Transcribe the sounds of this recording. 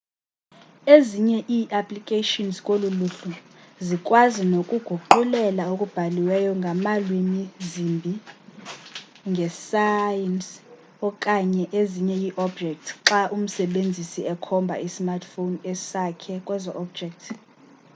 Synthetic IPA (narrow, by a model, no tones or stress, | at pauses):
eziɲɛʔiːʔapʰʼlikʼeʃinzkʼoluluɬu | zikʼwazinokʼuɡ̥ʱuǃulɛlaokʼub̥ʱaliwɛjɔŋɡʱamalwimizimbʱi | ŋɡʱɛsajɛns | ɔkʼaɲɛʔeziɲɛjiʔɔbd͡ʒʱɛk̚tʰǁaʔum̩sɛɓend͡zʱisiɛkʰɔmbʱa̰ismartʰfonɛsakʰɛkʼwɛzɔʔɔb̚d͡ʒʱɛk̚tʰ